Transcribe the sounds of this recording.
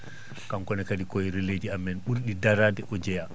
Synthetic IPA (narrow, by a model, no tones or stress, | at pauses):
kamkɔnɛkadikɔɾɛled͡ʒiamːɛnɓuɾɗidaɾaːdɛʔɔd͡ʒɛja